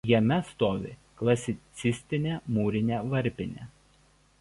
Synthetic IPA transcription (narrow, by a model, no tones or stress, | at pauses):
jɛmʲɛst̪oːʋʲɪ̰ | klˠɐsʲɪt̪sʲɪsʲt̪ʲɪnʲeːmuːɾʲɪnʲeːʋɐɾʲpʲɪnʲḛ